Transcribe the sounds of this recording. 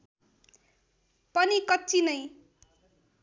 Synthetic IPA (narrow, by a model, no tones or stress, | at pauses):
pʌnikʌtt͡sʰinʌj